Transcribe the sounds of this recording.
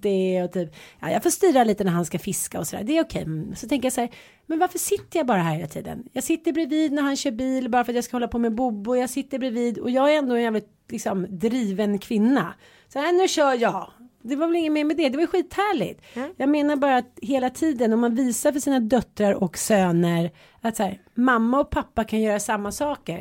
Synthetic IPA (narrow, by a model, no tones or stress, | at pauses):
d̪ɛɔt̪ʰyːpjɑ̰ːjɑ̰ɡfoːʂt̪yːɾaliːt̪ənæɾɦanskafɪskaɔsɔd̪æ̰ːɖ̪ɛːɾʊkʰɛ̰jsɔt̪ʰɛŋkəɾjasæːɾ | mɛnvaɾfœʂɪt̪ːəjabɑːɾaɦæɾheːlat̪ʰḭːd̪ə̰njɑːɡsɪt̪ːəɾbɾɪviːd̪næɾhanɕœːɾbiːlbɑːɾafœɾat̪jaːskahɔlːapʰɔmɛbʊbːʊjɑːɡsɪt̪ːəɾbɾɪviːd̪ɔ̰jɑːɡæɾɛnd̪oːɛnjæːvlɪt̪̚ | lɪksɔmd̪ɾiːvənkʰvɪnːa̰ | sɛnʉ̟ɕœːjɑːd̪ɛvavɛlɪŋːənmɛːɾmɛd̪ɛd̪ɛvajɵɧiːt̪hæːɭɪ̰t̪jɑːɡmeːnaɾbɑːɾaːt̪ɦeːlat̪ʰiːd̪ənɔmːanviːsaɾfœʂiːnad̪œt̪ɾaɾɔksøːnəɾ | at̪sæːɾmamːaɔk̚pʰapːakʰanjœːɾasamːasɑːkə̰ɾ